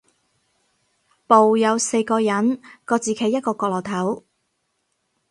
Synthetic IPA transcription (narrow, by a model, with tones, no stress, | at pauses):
po˨wjɐ˨˧wse˧jkɔː˧jɐ˨˥nkɔː˧t͡siː˨˩kʰe˨˥jːt̚kɔː˧kɔː˧klɔː˨˩t̪ʰɐ˨˥w